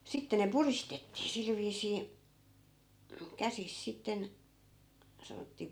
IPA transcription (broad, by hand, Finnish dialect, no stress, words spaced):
sitːe ne puristetːiː sil ʋiːsiː kæsis sitːen sɑnotːiː